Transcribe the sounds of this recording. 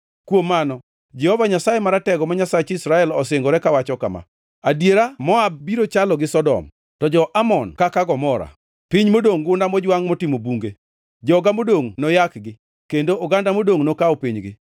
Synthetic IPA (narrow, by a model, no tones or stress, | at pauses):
kwomːanɔ | d͡ʒɛhɔvaɲasajemaɾatɛɡɔmaɲasat͡ʃɪsɾaɛlɔsɪŋɡɔɾɛkawat͡ʃɔka̰ma̰ | adjeɾamɔab̚ːiɾot͡ʃalɔɡɪsɔdɔ̰m | tɔd͡ʒɔʔamɔnkakaɡɔmɔɾa̰ | piɲmodoŋɡʊndamɔd͡ʒwaŋmotɪmobuŋɡe | d͡ʒɔɡamodoŋnɔjakɡɪ | kendoʔːɡandamodoŋnokaɔpiɲɡɪ̰